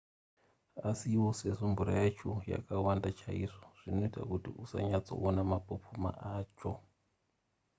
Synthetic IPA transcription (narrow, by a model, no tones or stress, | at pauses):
asiwoseʐombuɾajat͡ʃoja̰kawandat͡ʃaiʐoʐ̥ino̞ita̰kutiʔusa̰ɲat͡so̞̰ʔonamapopʰuma̰ʔaːt͡ʃo